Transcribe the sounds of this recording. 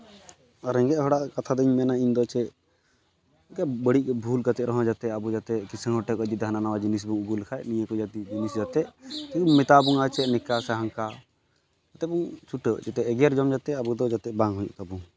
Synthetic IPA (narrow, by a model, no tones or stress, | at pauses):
aɾɛŋɡɛʔɦɔɽaʔkat̪ʰad̪əɲmɛnaiɲd̪ɔt͡ʃɛ | kɛʔbəɽiʔbʱulkat̪ɛʔɾɔɦɔ̃d͡ʒat̪ɛabud͡ʒat̪ɛkisəŋɦɔʈɛkɔd͡ʒid̪ɦananawad͡ʒinis̬buŋuɡulkʰajʔnijəkɔd͡ʒat̪id͡ʒinisd͡ʒat̪ɛʔtiumɛt̪abuŋat͡ʃɛnikasɛɦaŋka | d͡ʒat̪ɛbuŋt͡ʃʰuʈəd͡ʒɛt̪ɛʔɛɡɛjaɾd͡ʒɔmd͡ʒat̪ɛabud̪ɔd͡ʒat̪ɛʔbaŋɦujṵʔt̪abuŋ